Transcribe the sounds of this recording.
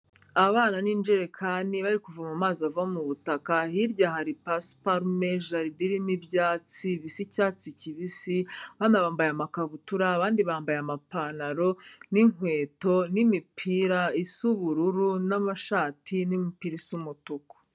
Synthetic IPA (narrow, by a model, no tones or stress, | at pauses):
aβaːnaniːnd͡ʒeɾekʰaniβaɾikuvamumaːzavamuβutakahiɾɟahaɾipaspaɾmeʒaɾidiɾimibjaːt͡siβisicaːt͡siciβisiβanaβaːmbajamakaβutuɾaːβaːndiβaːmbajamapaːnaɾo̞niŋwe̞ːto̞nimipʰiɾaisuβuɾuɾunamaʃaːtʰinimipiɾisumutuko̥